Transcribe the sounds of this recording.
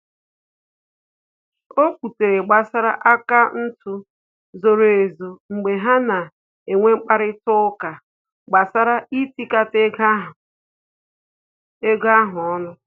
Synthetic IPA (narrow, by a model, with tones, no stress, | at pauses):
o˦kʷu˨te˨ɾe˨ɡ͡ba˨sa˦ɾa˦ʔa˦ka˦n̩˦tu˦ | zo˨ɾo˨e˨zo˨ŋ͡m̩˨ɡ͡be˨ɦa˦na˨ | e˨ŋʷe˦ŋ͡m̩˦k͡pa˦ɾɪ˦tʊ˦ka˨ | ɡ͡ba˨sa˦ɾa˦i˦ti˦ka˦te˦ɡa˦ɦʊ˨ | e˦ɡa˦ɦʊ˨ɔ˦nʊ˦